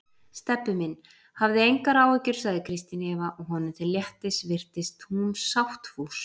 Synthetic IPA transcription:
st̪ɛpːʏmɪnː | havðɪejŋkaɾaːwɛcʏɾ̥saɣðɪkʰɾɪst̪ɪnɛːvaʔɔɣɦɔnʏt̪ʰɪljɛht̪ɪsvɪr̥t̪ɪst̪huumsawht̪fus

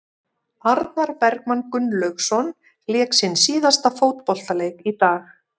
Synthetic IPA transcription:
aɾðaɾpɛɾkmankʏnlœxsɔn | lɛːksɪnsiːðast̪afoːwt̪̚pɔl̥t̪aleːjkit̪aːx

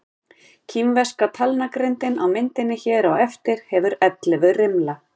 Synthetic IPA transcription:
cʰimvɛskat̪ʰalnakɾɪnt̪ɪnawmɪnt̪ɪnːɪçɛːɾawɛft̪ɪɾ̥hɛvʏɾɛt̪lɛvʏrɪmla

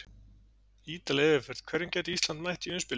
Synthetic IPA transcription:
iːt̪aliɛvɪfɛɾ̥ð̥kʰvɛɾjɪncɛːt̪ist̪lant̪majht̪iʏnspɪl

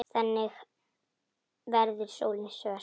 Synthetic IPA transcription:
θɛnːɪx | vɛɾðʏɾ̥soːwlɪnsœː

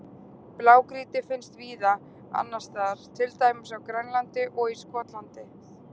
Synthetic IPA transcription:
plaːwkɾiːt̪ɪfɪnst̪viːða | a̰nːast̪aɾ̥t̪ʰɪlt̪aːjmɪsawkɾɛnlant̪ɪʔɔɣiskɔːt̪lant̪ɪ

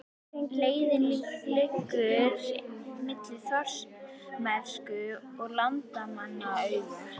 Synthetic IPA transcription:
leːjðɪlilʏkːʏɾmɪt̪lɪθœr̥s | mɛ̥skʏɔɣlant̪amanːaœɥv

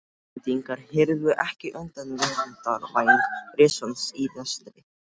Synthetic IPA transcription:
t̪iŋkaɾhɪɾðvʏʔɛhcɪʔœnt̪anvɛvant̪aɾvaːjnɾɪːsɔnsinɛst̪ɾɪ

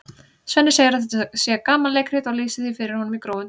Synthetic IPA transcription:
sɛnːɪseːjɪɾaðθɛt̪sɛːakaːmallejkr̥ɪt̪ɔɣliːsɪθifɪɾɪɾ̥hɔnːʏmikɾoːwʏn

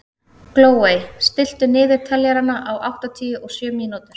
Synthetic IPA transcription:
kloːwejst̪ɪl̥t̪ʏnɪːðɪɾ̥t̪ʰɛljaɾanːaʔawawht̪at̪ʰiːʏʔɔɣsjœːmiːnut̪ʏɾ̥

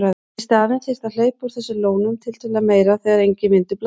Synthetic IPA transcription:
ɾa | st̪aːvɪnfɪst̪aðl̥œːɥpʏɾ̥θɛsːʏloːwnʏmt̪ʰɪlt̪ʰœlɛameːjɾaθɛɣaɾejɲcɪmɪnt̪ʏpl

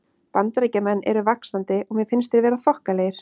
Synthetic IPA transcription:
pant̪aɾecamɛnːɛ̰ɾʏvaksnant̪ɪʔɔɣmjɛðfɪnst̪ɪɾvɛːɾaθɔhkaleːjɪɾ̥

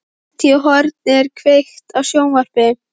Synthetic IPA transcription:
t̪ʰiɦɔɾt̪nɛɾkʰvext̪awsjoːwnvɔr̥pɪ

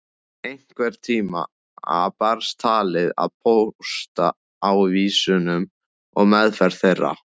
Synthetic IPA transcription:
ejŋ̥kvɛɾ̥t̪ʰiːma̰ | a̰paɾst̪ʰaːlɪða̰ðpʰowst̪a̰ | awviːsʏnʏm | ɔɣmɛðfɛɾ̥θejrːa̰

